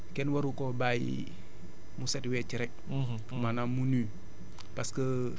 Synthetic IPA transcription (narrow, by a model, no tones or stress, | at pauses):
kɛnwɐɾukobajḭ | musɛtwɛt͡ʃiɾɛk̚ | manamuni | paskə